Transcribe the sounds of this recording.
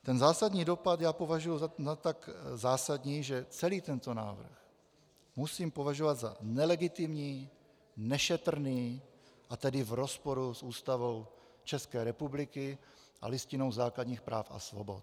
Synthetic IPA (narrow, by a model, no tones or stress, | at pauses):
t̪ɛnzaːsadɲiːdo̞pat̪jaːpo̞vaʒujuat̪akzaːsadɲiːʒɛt͡sɛliːt̪ɛnt̪o̞na̰ːvr̩x | musiːmpo̞vaʒovad̪zanɛlɛɡɪt̪ɪmɲiː | nɛʃɛt̪r̩niːʔat̪ɛdɪvɾo̞spo̞ɾusʔuːst̪avo̞w | t͡ʃɛskɛːɾɛpublɪkɪ | ʔa̰lɪscɪno̞wzaːkladɲiːxpɾa̰ːfa̰svo̰bo̞̰t̪